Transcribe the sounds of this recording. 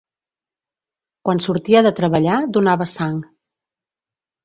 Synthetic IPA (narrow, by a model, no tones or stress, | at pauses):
kwansuɾt̪iəðət̪ɾəβəʎad̪unaβəsaŋ